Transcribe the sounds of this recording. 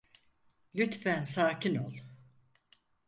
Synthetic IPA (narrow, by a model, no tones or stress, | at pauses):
lʲyt̪fænsaːcʰinolˠ